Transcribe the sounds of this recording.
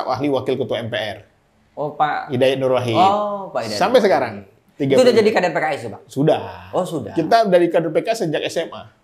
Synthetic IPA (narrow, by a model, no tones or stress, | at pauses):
awa̰hliwakɪlkət̪uwaɛmpeɛr | opaidajaʔnuɾwaɦiopaisampajsəkaɾaŋ | t̪iɡaudad͡ʒadikadrpekaisipasudahosudakit̪adaɾikadɔrpekasəd͡ʒak̚ɛsɛma̰